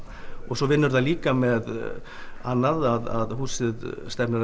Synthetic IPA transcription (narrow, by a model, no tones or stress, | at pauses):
ɔɣsɔvɪnːʏɾθaliːkamɛð | anːaðaða̰ðhuːsɪðst̪ɛpnɪɾ